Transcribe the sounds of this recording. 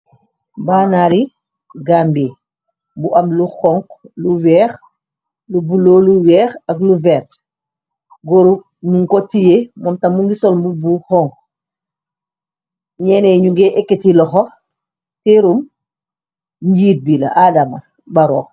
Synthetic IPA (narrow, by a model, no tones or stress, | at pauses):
baːnaɾi | ɡaːmbi | buʔɐmluxɔŋkluwɛːx | lubuloːluwɛːxɐkluvɛɾt | ɡɔɾu | muŋkɔtːijemɔmtɐmuŋɡisɔlmbubuxɔŋk | ɲɛːnɛɲuɡɛʔɛkːɛtilɔxɔ | tɛɾum | ɲɟiːt̚bilɐ̰ʔadamɐ̰ | baɾɔː